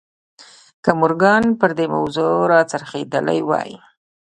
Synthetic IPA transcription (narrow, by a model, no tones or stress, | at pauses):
kəmʊɾɡɑnpəɾd̪ema̰wzoɾɑt͡saɾxed̪əla̰jwɑ̰jḭ